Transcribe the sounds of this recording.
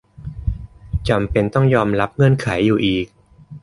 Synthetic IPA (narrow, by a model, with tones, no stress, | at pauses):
t͡ɕa˧mpe˧nt̪ɔ˥˩ŋjɔː˧mɾa˦˥p̚ŋɤ˧˥˩nkʰa˩˦jːuː˨˩ʔiː˨˩k̚